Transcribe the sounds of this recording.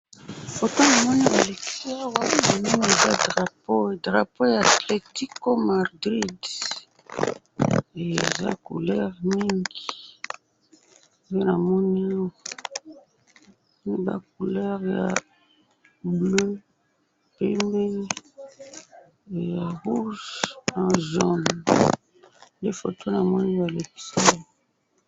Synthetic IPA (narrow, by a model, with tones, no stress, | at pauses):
o˨tã˦na˨mɔ˦ni˦ba˨le˨ki̥˦si˦a˦wa˦ma˨mi˦ŋi˦e˨za˦dʁa˨po˦˨dʁa˨po˦jaː˨tle˨ti˦ko˦ma˨ʁdʁi˦d | e˨ḛ˨za̰˦kṵ˨lɛ˦ʁmi˦ŋɡi˨ | o˨˦o˦na˨mɔ˦ni˦a˦wa˨ | ni˦ba̰˦k̚u˨lɛ˦ʁja̰˨ | blø˦ | pe˦mbe˦˨ | ja˨ʁu˦ʒnã˨ʒɔ˨n | nde˦fo˨to˦na˨mɔ˦ni˦wa˨le˨pi̥˨sa˦jo˦